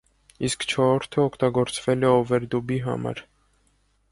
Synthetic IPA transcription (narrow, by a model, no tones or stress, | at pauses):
iskt͡ʃʰɔɾɔɾt̪ʰəɔkʰt̪ɑɡɔɾt͡svɛlɛɔvɛɾd̪ubiɦɑ̰mɑ̰ɾ